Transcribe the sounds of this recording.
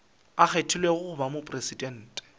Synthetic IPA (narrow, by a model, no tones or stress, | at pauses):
ak͡xetʰilweɣʊʊbamopʼresidɛn̩ːtʼɛ̥